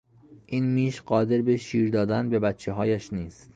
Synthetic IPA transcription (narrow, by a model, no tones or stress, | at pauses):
ʔiːnmiːʃɢɒːd̪e̞ɾbeʃiːɾd̪ɒːd̪ænbe̞bæt̪t͡ʃʰːeɦɒːjæʃniːst̪